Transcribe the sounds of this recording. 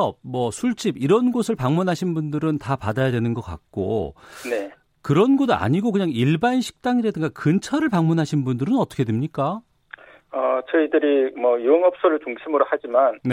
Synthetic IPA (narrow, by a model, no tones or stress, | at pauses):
ʌmwʌsʰuɭt͡ɕ͈ibiɾʌnɡosʰɯɭpaŋmunɦaɕʰinbundɯɾɯntapadajadwe̞nɯnɡʌk͈a̰k̚k͈o̰ne̞ | kɯɾʌnɡʌda̰ɲiɡokɯɲaŋiɭbanɕʰi̥k̚t͈aŋiɾadɯŋɡakɯnt͡ɕʰʌɾɯɭpaŋmunɦaɕʰinbundɯɾɯnʌt͈ʌkʰe̞dwemɲik͈a | ʌt͡ɕʌidɯɾimʌjieŋɦʌp̚s͈oɾɯɭt͡ɕuŋɕʰimɯɾohad͡ʑimanne